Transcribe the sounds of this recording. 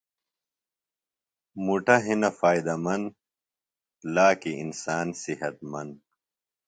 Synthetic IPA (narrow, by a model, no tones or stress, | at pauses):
muʈɐɦinɐfaːid̪ɐmɐnd̪ | laːkiinsaːnsiɦɐt̪̚mɐnd̪